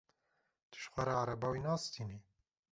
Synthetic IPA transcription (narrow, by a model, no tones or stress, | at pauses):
t̪ɨ̥ʃxʷaɾaaɾabɑːwinɑːst̪ʰini